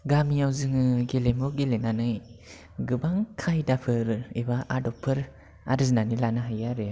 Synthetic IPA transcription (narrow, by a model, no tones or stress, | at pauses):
ɡamiawzɯŋɯɡelemɔɡelenanɯj | ɡɯbaŋkʰajdapʰɯɾɯebaʔadɔpʰːɯɾ | a̰ɾɯznanilanaɦajaɾɯ